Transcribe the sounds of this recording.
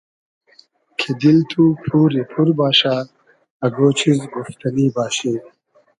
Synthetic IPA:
kʰed̪ilt̪ʰupʰuːɾepʰuɾbaːɕaː | ɐɡoːt͡ɕʰizɡuft̪ɐniːbaːɕeː

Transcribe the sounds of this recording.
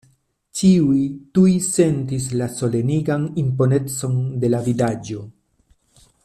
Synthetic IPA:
t͡ʃiujtujse̞ntis̬laso̞le̞niɡanimpo̞ne̞t͡so̞nde̞lavidad͡ʒo̞

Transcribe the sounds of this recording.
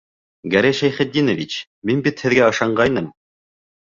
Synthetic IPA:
ɡæɾæjʃæjχɘ̆t̪̚d̪inovʲit͡ɕ | minbit̪hɘ̆ðɡæɤ̆ʃɑɴɢɑjnɤm

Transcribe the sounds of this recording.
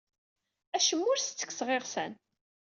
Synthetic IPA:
æʃəmːʊɾst͡sːə̥kːsʁeʁsæn

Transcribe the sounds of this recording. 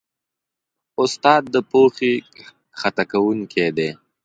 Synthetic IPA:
ʊst̪ɑːd̪̚ːəpoxi | xat̪akawʊŋkʰed̪e

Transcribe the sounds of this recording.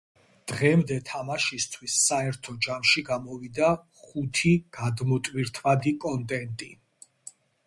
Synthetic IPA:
d̪̥ʁɛmd̪ɛt̪ʰamaʃist̪ʰwisːaɛɾt̪ʰɔd͡ʒamʃiɡamɔvid̪a | χut̪ʰiɡ̥ad̪mɔt̪ʼwiɾt̪ʰvad̪ikʼɔnt̪ʼɛnt̪ʼi

